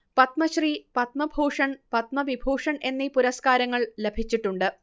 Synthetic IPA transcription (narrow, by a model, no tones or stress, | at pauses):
pɐt̪mɐɕripɐt̪̚mɐbʱoːʂɐɳpɐt̪mɐʋibʱoːʂɐɳe̞nːipuɾɐskaːɾɐŋːɐɭlebʱit͡ɕːiʈːuɳɖɨ